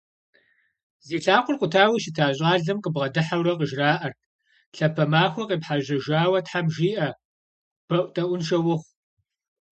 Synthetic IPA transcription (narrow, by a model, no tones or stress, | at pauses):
zeːɬʰaːqʷʼʊrqʷʊtʰaːwiːʃɪtʰaːɕʼaːɮɨmqʼəbʁɐdɨħawrɐqʼəʒraːʔɐrʰ | ɬɐpʰɐmaːxʷɐqʼeːpħaʒɐʒaːwɐtħamʒiːʔɐ | b̥ɐʔʷʼtʼɐʔʷʊnʃɐwʊχʷ